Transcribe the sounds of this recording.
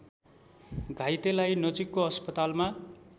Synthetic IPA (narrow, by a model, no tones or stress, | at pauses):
ɡʱajt̪elajnʌt͡sikːoʌspʌt̪alma